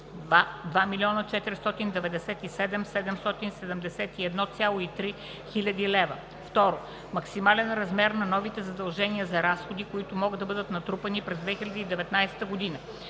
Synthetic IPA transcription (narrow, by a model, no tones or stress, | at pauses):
ad̪vamilʲiɔnət͡ʃɛt̪ɛɾst̪ɔt̪ind̪ɛvɛd̪ɛsɛt̪isɛd̪ɛmsɛd̪ɛmst̪ɔt̪insɛd̪ɛmd̪ɛsɛt̪iɛd̪nɔt̪sʲalˠoit̪ɾi | xilʲɐd̪ilɛvə | ft̪ɔɾo | mɐksimalɛnɾɐzmɛɾnɐnɔvit̪ɛzɐd̪ɐlˠʒɛniəzɐɾasxod̪ikoit̪ʊmɔɡɤd̪d̪ɐbɤd̪ət̪nɐt̪ɾupɐnipɾɛzd̪vɛxilʲɐd̪iːd̪ɛvɛt̪najsɛ̥t̪əɡod̪inə